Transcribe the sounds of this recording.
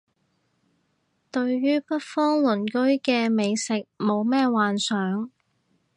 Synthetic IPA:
t̪ɵ˧ɥjyː˥pɐ˥t̚fɔː˥ŋlʊ˨˩nkɵ˥ɥkɛː˧me˨˧jsɪ˨k̚mo˨˧wmɛː˥waː˨nsœː˨˥ŋ

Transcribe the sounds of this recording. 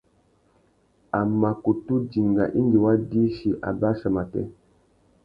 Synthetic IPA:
a˨ma˨ku˨tu˦d͡ʒi˨ŋɡa̰˨ʔi˦ndi˨wa˦di˦ʃi˨ʔa̰˨ba˦ʃə˨ma˨tɛ̰˦

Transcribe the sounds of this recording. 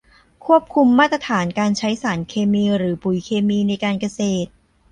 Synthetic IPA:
kʰu˥˩p̚kʰu˧mːaː˥˩t̪ːɾa˧t̪ʰaː˩˦nkaː˧nt͡ɕʰa˦˥jsaː˩˦nkʰeː˧miː˧ɾɯː˩˦pu˨˩jkʰeː˧miː˧na˧jkaː˧nka˧seː˨˩t̪̚

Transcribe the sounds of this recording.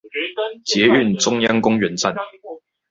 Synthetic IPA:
t͡ɕjɛ˨˦y˥˨nʈ͡ʂʊ˥ŋjɑ˥ŋkʊ˥ŋɥɛ˨˥nt͡sa˥˨n

